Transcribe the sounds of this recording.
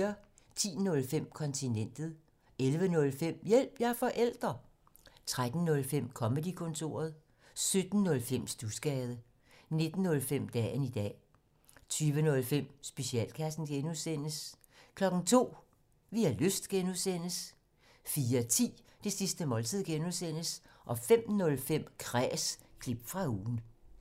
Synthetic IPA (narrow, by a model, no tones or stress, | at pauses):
ɐ | t͡sʰḭːnɔ̽lfem̰kʰɒ̽nt͡sʰinen̰d̥ð̩ˠ | elʋənɔ̽lfem̰jel̰b̥jɑɐfɒ̽ʔel̰d̥ʁɐ | t͡sʰʁad̥n̩ːɔ̽lfem̰kʰɒ̽məd̥ikʰɔ̽nt͡sʰo̝̰ːɐð̞ˠ | sød̥n̩ːɔ̽lfem̰sd̥usɡ̥ɛːð̞ˠə | ne̝d̥n̩ːɔ̽lfem̰d̥ɛ̰ːnid̥ɛ̰ː | t͡sʰyːʋənɔ̽lfem̰sb̥e̝siɛ̰ːlkʰæsn̩ɡ̥enuðˠsen̰əs | kʰlɒ̽ɡ̥n̩t͡sʰo̝̰ː | ʋiæløsd̥ɡ̥enuðˠsen̰əs | fiːɐt͡sʰḭː | d̥e̝sisd̥əmɒ̽lt͡sʰið̞̰ˠɡ̥enuðˠsen̰əs | ʔɒ̽fem̰nɔ̽lfem̰kʰʁɛːskʰlib̥fʁɑ̈uːn̩